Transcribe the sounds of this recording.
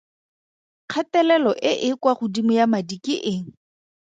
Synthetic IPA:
q͡χʰatɛlɛlɔʔɪʔɪkwaχʊdimʊjamadikʼiʔɪːŋ̩

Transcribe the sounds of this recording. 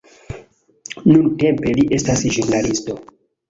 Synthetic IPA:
nunte̞mpe̞liʔe̞stasʒunnalisto̞

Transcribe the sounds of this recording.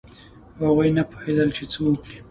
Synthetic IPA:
haɣujnapo̥hed̪əlt͡ʃet͡səwukɽi

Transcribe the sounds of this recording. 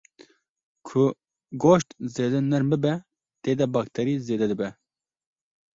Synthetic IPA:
kʰʊ | ɡoːʃt̪zeːd̪ɛnɛɾmbɨbɛ | t̪eːd̪ɛbɑːkt̪ʰɛɾiːzeːd̪ɛd̪ɨbɛ

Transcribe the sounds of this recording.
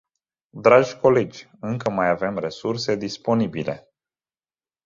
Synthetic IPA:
d̪ɾad͡ʒʲkʰo̞le̞d͡ʒʲ | ɨŋkəmajave̞mre̞surse̞d̪ispo̞nibile̞̰

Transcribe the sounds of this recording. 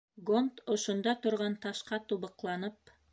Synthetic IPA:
ɡont̪ŏʃŏnd̪ɑt̪ŏɾʁɑnt̪ɑʃqɑt̪uβɤ̆qlˠɑnɤp

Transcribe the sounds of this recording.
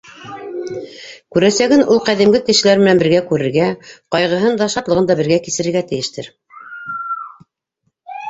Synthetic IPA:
kʉɾæsæɡɘnʔulˠqæðimɡɘkɘ̆ʃɘ̆læɾmɘ̆nænbɘ̆ɾɡækʉɾɘ̆ɾɡæqɑjʁɤ̆ɦɤnd̪ɑʃɑt̪lˠɤ̆ʁɤnd̪ɑbɘ̆ɾɡækisɘ̆ɾɘ̆ɾɡæt̪ɘ̆jɘ̆ʃt̪ɘ̰ɾ

